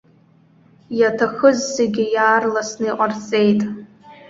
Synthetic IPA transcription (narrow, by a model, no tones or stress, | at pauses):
jatʰaχəzseɡʲɪjaːrlasnɨiqʷʼart͡sʼe̞jtʼ